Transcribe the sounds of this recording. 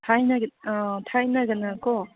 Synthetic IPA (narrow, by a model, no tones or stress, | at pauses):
tʰajnaɡt̪ʰajnaɡɯnakɔ